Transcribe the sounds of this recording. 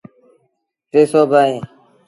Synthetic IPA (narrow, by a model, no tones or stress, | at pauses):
t̪eːsoːbaːɦẽː